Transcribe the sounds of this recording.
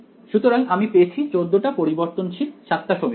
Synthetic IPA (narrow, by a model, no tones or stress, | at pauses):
ʃut̪oɾalʔamipeet͡ɕʰit͡ɕod̪ːoʈapoɾiboɾt̪onʃit̪ʃat̪ʰːaʃome